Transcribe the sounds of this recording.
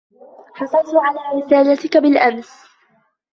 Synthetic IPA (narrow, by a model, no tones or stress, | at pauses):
ħɑsˤɑɾt̪ʊʕalaːɾɪsaːlat̪ɪkabɪlʔams